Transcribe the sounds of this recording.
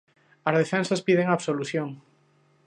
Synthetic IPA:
azð̞efɛnsaspið̞eŋaβsoluθjoŋ

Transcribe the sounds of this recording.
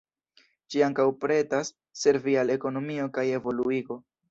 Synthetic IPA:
d͡ʒiaŋkawpɾe̞tasː | e̞ɾviale̞ko̞no̞mio̞kaje̞vo̞luiɡo̞

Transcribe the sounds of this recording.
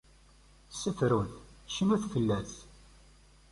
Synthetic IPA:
sːəfɾunθʃənuθfəlːæθ

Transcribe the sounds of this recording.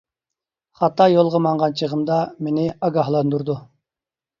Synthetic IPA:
χɑt̪ːɑjolˠʁəmɑɴʁɑnt͡ʃʰəʁəmd̪ɑmenɪɑɡɑɦlˠɑnd̪uɾd̪u

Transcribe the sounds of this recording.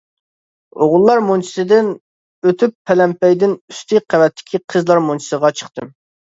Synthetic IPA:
oʁʊlˠːɑɾmont͡ʃʰi̥sɨd̪ɪn | øt̪ʰypʰːɛlɛmpɛjd̪ɪnyst̪ʰɪqʰævɛt̪ʰːɪ̥kʲʰiqʰəzlˠɑɾmont͡ʃʰi̥səʁɑt͡ʃʰə̥χt̪ɨm

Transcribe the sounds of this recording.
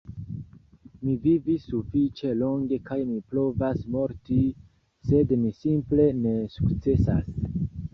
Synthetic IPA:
mivivisufit͡ʃe̞lo̞ŋɡe̞kajmipɾo̞vasmo̞ɾti | se̞dmisimple̞ne̞sukt͡se̞sas

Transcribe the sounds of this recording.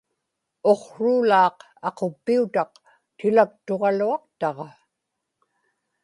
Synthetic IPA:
o̞qɻuːlɑːq | ɑqo̞pːiut̪ɑq | t̪ɪlak̚t̪o̞ʁɑluɑq̚t̪ɑʁɑ

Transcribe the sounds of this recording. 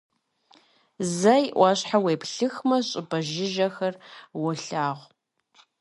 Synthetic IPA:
zɐjʔʷɑːɕħaweːpɬɨxmɐɕʼɪbɐʒɪʒɐxɐrwʊɬaːʁʷ

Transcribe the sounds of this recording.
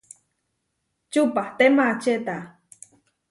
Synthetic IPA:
t͡ʃupaht̪emat͡ʃet̪a

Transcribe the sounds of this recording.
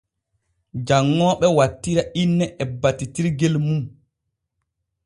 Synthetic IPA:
d͡ʒaŋːɔːɓɛwatːiɾaʔinːɛʔɛbatːitiɾɡɛlmum

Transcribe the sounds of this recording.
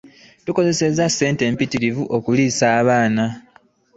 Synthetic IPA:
tuko̞ze̞se̞zase̞ːnte̞ːmpitiɾivuʔo̞kuliːsaːβaːna

